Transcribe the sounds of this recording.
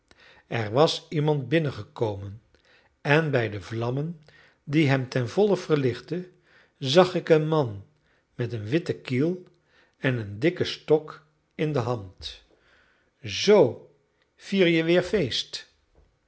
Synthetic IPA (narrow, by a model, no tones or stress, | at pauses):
ɛɹʋɑsimɑnt̚bɪnəχəkowmən | ɛnbɛjdəvlɑmən | diɦɛmtɛnvɔləv̥ərlɪχtə | zɑχɪkənmɑn | mɛtənʋɪtəkilˠ | ɛnəndɪkəstɔk | ɪndəɦɑnt | zow | v̥iːɹjəʋɪːɹfejst